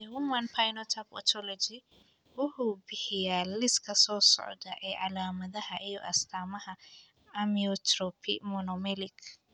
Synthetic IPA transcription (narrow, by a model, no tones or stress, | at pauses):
wʊmɐnpʰajnɔt̪ʰɐpɔ̰t̪ʰɔlɔd͡ʒi | wʊhʊbɪhɪjaːlːɪskɐsoːsɔ̰ʔd̪ɐʔɛʕalaːmɐd̪ɐhɐʔɪjɔ̰ʔɐst̪ʰaːmɐhɐ | ɐmiɔt̪ɾɔpʰḭmɔnɔmɛlɪk